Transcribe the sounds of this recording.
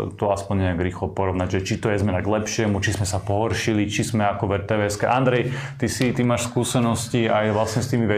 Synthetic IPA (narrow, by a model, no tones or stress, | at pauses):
t̪ɔaspɔɲɲɛaɡɾiːxlɔpɔɾɔʋnaɟʒɛt͡ʃit̪ɔjɛzmɛnaɡlɛpʃɪɛmut͡ʃizmɛsapɔɦɔɾʃilit͡ʃizmɛakɔʋɛɾt̪ɛːʋɛskɛʔand̪ɾɛjt̪isit̪imaːʃskuːsɛnɔsciajʋlasɲɛst̪iːmiʋɛ